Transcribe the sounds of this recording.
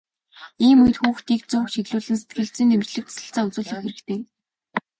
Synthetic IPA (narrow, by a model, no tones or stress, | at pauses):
iːmujt̪xuːxt̪iːk̚t͡sʊːkʃiɣɮʊːɮɘ̆nse̥t̪̚ɡɘ̆ɮt͡siːnt̪̬ʰemt͡ɕɮɘ̆k̚t͡sḁsə̆ɬt͡saːɵt͡sʊːɮə̆xerɾɘ̆kt̪ʰeː